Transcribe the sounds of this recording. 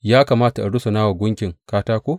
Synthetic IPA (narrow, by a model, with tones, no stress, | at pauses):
jaː˦kaː˨maː˦ta˨ʔa˨ɽʊ˦so˨naː˦wa˨ɡʷʊ˦ŋkʲɪ˨ŋkaː˦taː˦kʷo˦